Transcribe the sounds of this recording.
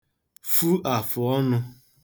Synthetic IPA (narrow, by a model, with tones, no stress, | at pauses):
fu˦ʔa˨fʊ˨ɔ˦nʊ˧